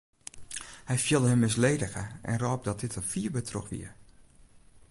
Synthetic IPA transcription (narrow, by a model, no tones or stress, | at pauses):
hɛjfjiəlˠdəɦəmːɪs̬lejdəɣəʔɛ̰nrɔːp̚dɔt̚dɪtəfiəɹbətʰrɔ̰kʋḭəɹ